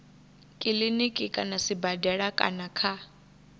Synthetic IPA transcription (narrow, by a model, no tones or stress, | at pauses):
kʼilinikʼɪkʼanasibadɛɺakʼa̰nakʰa